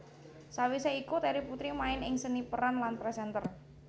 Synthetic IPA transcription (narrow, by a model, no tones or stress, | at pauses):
sawiseikut̪ɛɾiput̪ɾimaɪnɪŋsənipəɾanlanpɾɛsɛnt̪ər